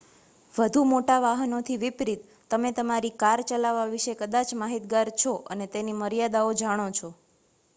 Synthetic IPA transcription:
ʋəd̪ʱumoʈaʋaɦənot̪ʰiʋipɾit̪ːəmet̪əmaɾikaɾt͡ʃəlaʋaʋiʃekəd̪at͡ʃmaɦit̪ɡaɾt͡ʃʰoʔənet̪eniməɾijad̪aod͡ʒaɽ̃ot͡ʃʰɔ

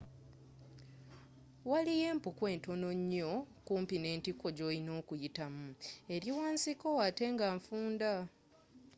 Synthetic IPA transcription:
walije̞ːmpukwe̞ːnto̞no̞ɲːo̞kuːmpine̞ːntiko̞ɟo̞ːino̞ːkujitamue̞ɾiwaːnsiko̞wate̞ːŋɡaːɱfuːnda

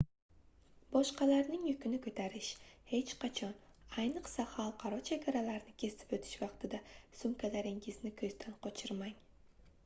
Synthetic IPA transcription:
bɒʃqɑlaɾnɪŋjʊkʲɪnɪkʰɵt̪ʰaɾɪʃhe̞t͡ʃqʰɑt͡ʃʰɒnajnɨqsaχalˠqʰɑɾɒt͡ʃʰeɡʲaɾalaɾnɪkʲʰe̞sɪ̥pɵt̪ʰɪ̥ʃvɑqt̪ʰɪd̪asʊmkʲʰalaɾɪŋɪznɪkʰɵzd̪anqʰɒt͡ʃʰɪɾmaŋ

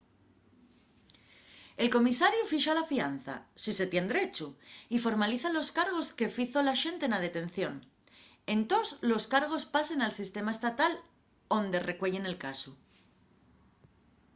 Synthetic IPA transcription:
e̞lko̞misaɾjufiʃalafian̟θa̰sise̞t̪je̞nd̪ɾet͡ʃuifo̞ɾmaliθalo̞skaɾɣo̞ske̞fiθolaʃe̞nt̪enað̞e̞t̪e̞n̟θjo̞n | e̞nt̪o̞slo̞skaɾɣ̞o̞spase̞nalsist̪e̞mae̞st̪at̪al | o̞nd̪e̞re̞kwe̞ʎe̞ne̞lkasu

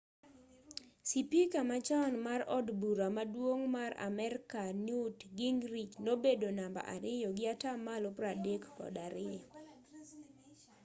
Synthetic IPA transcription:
sipikamat͡ʃaɔnmarɔdbuɾamadwoŋmaɾa̰mɛrkanutɡiŋɾit͡ʃnobedonamba̰ʔa̰ɾɪjɔɡɪatamalɔpɾadekkɔ̰daɾɪjɔ

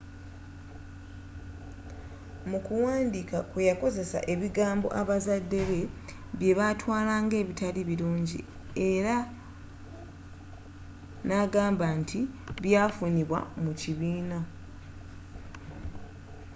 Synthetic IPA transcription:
mukuwaːndikakejako̞ze̞sa̰ʔe̞βiɡaːmbo̞̰ʔaβazadːe̞βe̞ | βje̞βatwaːlaːŋɡe̞ːβitaliβiluːɲɟḭ | e̞ɾa | naːɡaːmbantʰiβjaːfuniβwa̰muciβiːna

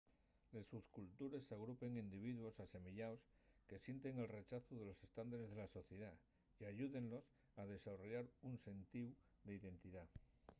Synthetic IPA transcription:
le̞suskult̪uɾe̞saɣ̞ɾupe̞ŋind̪iβ̞iðuo̞sase̞miʎaoske̞sje̞nt̪e̞ŋe̞lre̞t͡ʃaθoðe̞lo̞se̞st̪and̪aɾe̞zð̞e̞laso̞θje̞ð̞a | jaʝuðe̞nlo̞s | að̞e̞sarjaɾunse̞nt̪iw | d̪e̞iðe̞nt̪iða

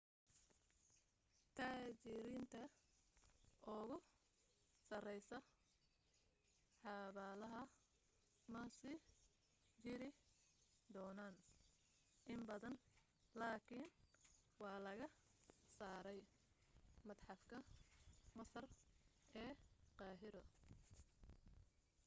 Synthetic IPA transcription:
t̪ʰaːt͡ʃɪɾɪnt̪ʰɐ | ʔʊɣʊ | sɐrɛjsɐ | ħɑβaːlɐɦɐ | mɐsi | t͡ʃɪɾɪ | d̪ɔːnaːn | ʔɪmbɐðɐn | laːkʰiːnwɑːlɐɣɐsaːɾɛj | mɐd̪ħɑfkʰɐ | mɐsɐrɛːqɑːɦɪɾɔ

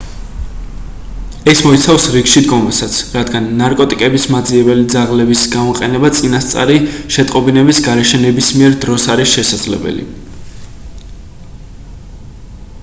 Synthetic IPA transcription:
ɛsmɔit̪sʰafsɾikʃid̪ɡɔmasat̪sʰɾad̪ɡanːaɾkʼɔt̪ʼikʼɛbismad̪ziɛbɛlid̪zaʁlɛbisɡamɔqʼɛnɛbat̪sʼinast̪sʼa̰ɾiʃɛt̪ʼqʼɔbinɛbisɡaɾɛʃɛnɛbismiɛɾd̪ɾɔsaɾisʃɛsad̪z̥lɛ̰bɛ̰lḭ

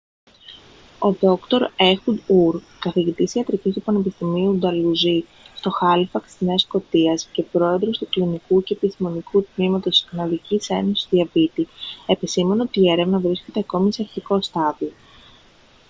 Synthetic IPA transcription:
o̞ðo̞kt̪o̞ɾe̞xud̪uɾ | kɐθiʝit̪isiɐt̪ɾicist̪upɐne̞pist̪imiud̪ɐluzi | st̪o̞xɐlifɐkt̪izne̞ɐsko̞t̪iɐsce̞pɾo̞e̞ðɾo̞st̪uklinikuce̞ːpist̪imo̞nikut̪mimɐt̪o̞si̥skɐnɐðicise̞nosi̥st̪ðiɐfit̪ie̞pisime̞neot̪iːe̞ɾe̞vnɐvɾisce̞t̪e̞ɐko̞mise̞ɐɾçiko̞st̪ɐðio

